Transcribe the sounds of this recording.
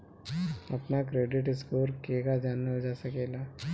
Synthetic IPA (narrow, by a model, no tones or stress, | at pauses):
apnakɾeɖiʈiskoɾkeɡad͡zanːəd͡zasakela